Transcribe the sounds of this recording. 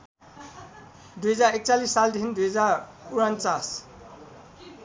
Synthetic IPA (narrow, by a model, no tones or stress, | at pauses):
d̪ujɦʌd͡zarek̚t͡salisːald̪ʱind̪ujɦʌd͡zaruɾʌnt͡sas